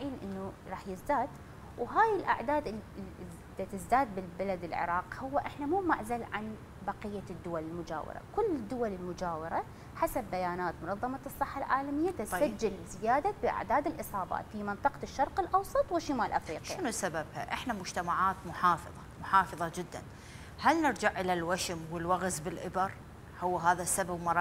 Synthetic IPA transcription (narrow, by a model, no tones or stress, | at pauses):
ʕiːnʔɪ̰nːuɾˤɑːħjɪzd̪aːd̪ | wɦaːjɪlʔa̰ʕd̪aːd̪ɪl | d̪at̪ɪzd̪aːd̪̚bɪlbalad̪ɪlʕɪ̰ɾˤɑːqhʊwːaʔɪħnamuːmaʕzalʕan | bɑqɪjːad̪ːʊwalɪlmʊd͡ʒa̰ːwɪ̰ɾˤa̰kʊlːɪd̪ːʊwalɪlmʊd͡ʒaːwɪɾˤa | ħasabːajaːnaːt̪mʊnɑðˤːɑmɑsˤːɨħːalʕaːlamɪjːat̪ɪad͡ʒːɪlzɪjaːd̪abɪʔa̰ʕd̪aːd̪ɪlʔɨsˤɑːba̰ːt̪fimɪnt̪ˤɑqɑ̥ʃːɑɾˤqɪlʔɑwsˤɑt̪ˤwɪʃːɪmaːlʔafɾiːʃiʃɪnusababha̰ʔɪħnamʊd͡ʒt̪amaʕaːt̪mʊħɑːfɑðˤɑmʊħɑːfɨðˤɑd͡ʒɪd̪ːa̰n | halnɪɾd͡ʒaʕʔɪlalwaʃɪmwɪlwaɣzbɪlʔɪbɪɾˤ | hʊwːɦaːðasababmɑɾˤ